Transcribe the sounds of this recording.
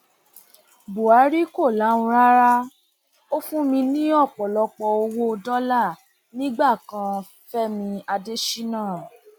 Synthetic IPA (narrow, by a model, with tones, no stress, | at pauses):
bo˨a˨˦ɾi˦ko˦˨la˨˦ũ˧ɾa˦ɾa˦ | o˦fũ˦mĩ˧nĩ˦ɔ˦˨k͡pɔ˨lɔ˧k͡pɔ˧o˧wo˦o˧dɔ˦la˦˨ | nĩ˦ɡ͡ba˦˨kã˧ | fɛ˦mĩ˧a˧de˦ʃi˦nãː˦˨